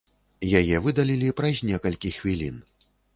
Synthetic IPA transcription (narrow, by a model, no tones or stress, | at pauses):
jajɛvɨd̪alʲilʲipɾɐzʲnʲɛkɐlʲkʲixvʲilʲḭn